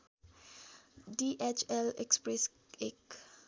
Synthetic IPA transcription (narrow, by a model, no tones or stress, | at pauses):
diʔɛt͡ʃɛlɛ̰kspɾɛs | ek